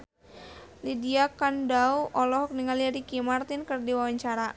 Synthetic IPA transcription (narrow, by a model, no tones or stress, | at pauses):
lidiakandauʔɔlɔɦɔk̚niŋaliaɾikimart̪ɪnkərdiwawaɲt͡ʃaɾa